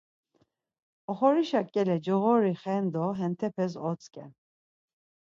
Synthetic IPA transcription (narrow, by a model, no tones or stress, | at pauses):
ɔχɔɾiʃakʼɛlɛd͡ʒɔɣɔɾiχɛnd̪ɔɦɛnt̪ʰɛpʰɛsɔt͡sʼkʼɛ